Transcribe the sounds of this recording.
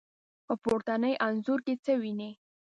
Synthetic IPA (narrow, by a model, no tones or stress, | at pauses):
opʊɾt̪anəjʔanzuɾket͡səwine